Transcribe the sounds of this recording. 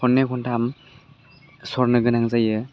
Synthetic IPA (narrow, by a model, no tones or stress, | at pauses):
ɔnːekʰɔntʰam | sɔɾnɯɡɯnaŋzajɯ